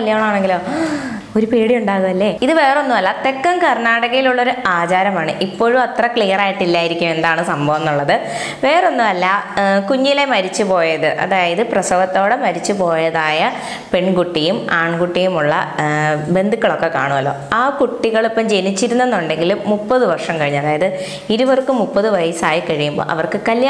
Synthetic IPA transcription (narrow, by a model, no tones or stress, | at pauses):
ɐlːijaːɳɐaːɳe̞ŋɡilo̞ː | oɾupeːɽijuɳɖaːɣumɐlːe̞iðɨʋe̞ːro̞nːumɐlːɐt̪e̞kːɐmkɐrnaːɽɐɣɐjiluɭːoɾuaːt͡ɕaːɾɐmaːɳɨʔipːo̞ːɻumɐt̪rɐkɭijɐraːjiʈːilːaːjiɾikʲːume̞nd̪aːɳɨsɐmbʱɐʋɐnːuɭːɐðɨ | ʋe̞ːro̞nːumɐlːɐkuɲːile̞mɐɾit͡ɕːupo̞ːjɐðɨʔɐ̰ðaːjɐðɨprɐsɐʋɐt̪ːo̞ːɽemɐɾit͡ɕːupo̞ːjɐðaːjɐ | peɳkuʈːijumaːɳɡuʈːijumuɭːɐ̰be̞nd̪ukːɐɭo̞kːe̞kaːɳuʋɐlːo̞̰ːaːkuʈːiɣɐɭipːɐmd͡ʑe̞nit͡ɕːiɾunːenːuɳɖe̞ŋɡilumːupːɐðɨʋɐrʂɐmkɐɻiɲːɐðaːjɐðɨ | iɾuʋɐrkːɨmupːɐðɨʋɐjɐsaːjikɐɻijumbo̰ːɭʔɐ̰ʋɐrkɨkɐlj